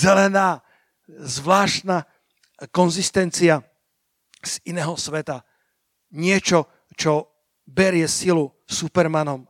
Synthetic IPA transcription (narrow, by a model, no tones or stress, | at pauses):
zɛlɛnaː | zʋlaːʃt̪na | kɔnzist̪ɛnt͡sia | z̥inɛːɦɔsʋɛt̪a | ɲɪɛt͡ʃɔ | t͡ʃɔ | bɛɾɪɛsilu | supɛɾmanɔm